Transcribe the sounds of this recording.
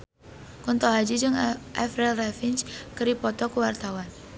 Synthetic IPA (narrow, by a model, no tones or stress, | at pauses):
kɔnt̪ɔɦad͡ʒid͡ʒəŋʔafɾɛlrafint͡ʃkəɾipɔt̪ɔkəwart̪awan